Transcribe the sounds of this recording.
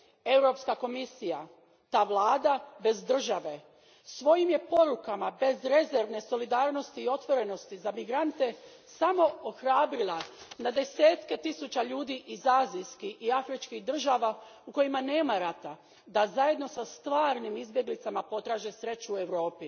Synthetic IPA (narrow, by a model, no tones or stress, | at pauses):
e̞wɾo̞pskako̞misija | t̪aːʋlˠaːd̪abe̞zd̪r̩ʒaʋe̞ | sʋo̞jimje̞po̞ɾukamabe̞zɾe̞zeɾʋne̞so̞lid̪aːɾno̞st̪iːo̞t̪ʋo̞ɾe̞no̞st̪izamiɡɾant̪e̞ | samo̞oxɾaːbɾilˠanad̪e̞se̞ːt̪ke̞t̪isut͡ɕaʎuːd̪iʔizaːzijskixiafɾit͡ʃkiɣd̪r̩ʒaːʋauko̞jimane̞ːmaɾat̪a | d̪azaje̞d̪no̞sast̪ʋaːɾnimizbje̞ɡlit̪samapo̞t̪ɾaːʒe̞sɾe̞t͡ɕue̞wɾo̞ːpi